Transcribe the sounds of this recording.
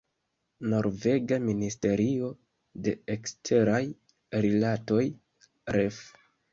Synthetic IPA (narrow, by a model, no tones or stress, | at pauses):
no̞ɾve̞ɡaministe̞ɾio̞ | de̞ekstʰe̞ɾaj | ɾilato̞j | ɾef